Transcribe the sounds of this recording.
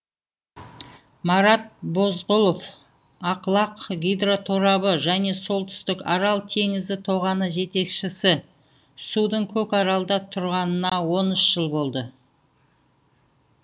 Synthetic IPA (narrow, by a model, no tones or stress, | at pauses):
mɑɾɑt̪̚bo̞zʁʊlˠof | ɑqlˠɑqɡʲijd̪rot̪ʰoɾɑβəʒæne̞so̞lˠt̪ʰʏ̥st̪ɪkɑɾɑlˠt̪ʰe̞ŋɪzd̪ɪt̪ʰo̞ʁɑnəʒe̞t̪e̞kʃɪsɪ | sud̪əɴkʲʰɵkɑɾɑlˠd̪ɑt̪ʰʊɾʁɑnənɑwo̞nʏʃʒ̥əlˠbo̞lˠd̪ə